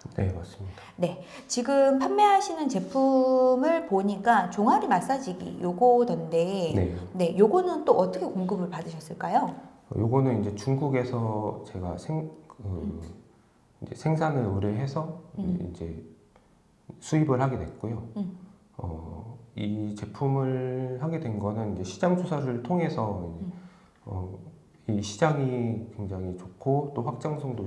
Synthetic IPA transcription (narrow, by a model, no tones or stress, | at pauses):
ne̞mas͈ɯmɲid̥ane̞t͡ɕiɡɯmpʰanme̞ɦaɕʰinɯnt͡ɕe̞pʰumɯɭpoɲik͈at͡ɕoŋɦaɾimas͈ad͡ʑiɡḭjoɡotʌnde̞ne̞̰ne̞joɡonɯnt͈oʔʌt͈ʌkʰe̞koŋɡɯbɯɭpadɯɕʰʌs͈ɯɭk͈ajo | ʌ̰joɡonɯnind͡ʑe̞t͡ɕuŋɡuɡe̞sʰʌt͡ɕe̞ɡa̰sʰeŋkɯ | ind͡ʑe̞̰sʰe̞ŋsʰanɯɭoɾeɦe̞sʰʌḭnd͡ʑe̞ | sʰuibɯɭhaɡedwe̞̰t̚k͈ojo | ʌ̰it͡ɕe̞pʰumɯɭhaɡe̞dwe̞nɡʌnɯnind͡ʑe̞ɕʰid͡ʑaŋd͡ʑʰosʰaɾɯɭtʰoŋe̞sʰʌind͡ʑe | ʌ̰ | iɕʰid͡ʑaŋikwe̞ŋd͡ʑaŋit͡ɕokʰːot͈oɸwak̚t͡ɕ͈aŋsʰoŋdo